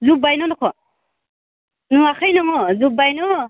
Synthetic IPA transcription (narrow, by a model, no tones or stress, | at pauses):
zubajnɔnɔkʰɔ | nuakʰajnɔŋɔzubajnu